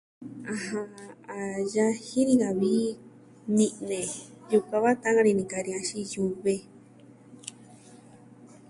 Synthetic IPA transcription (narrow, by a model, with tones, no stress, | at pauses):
ã˧ɦã˧a˨ja˦hĩ˦ɾĩ˧ŋa˨βi˦ | nĩ˧nẽ˨ju˧˨ka˧βa˦t̪ã˦ŋã˧ɾi˧nĩ˧ka˧ɾi˧ã˧ʃi˦ju˧˨βe˧